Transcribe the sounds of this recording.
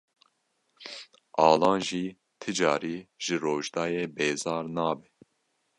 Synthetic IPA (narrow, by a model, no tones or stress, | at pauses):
ʔɑːlɑ̃ːnʒiː | t̪ʰɨd͡ʒɑːɾiːʒ̥ɨɾoːʒd̪ɑːjeːbeːzɑːɾnɑːbɛ